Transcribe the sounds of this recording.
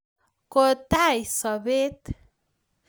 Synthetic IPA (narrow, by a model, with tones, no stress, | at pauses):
kot̪a˦jsɔ˨be˦t̪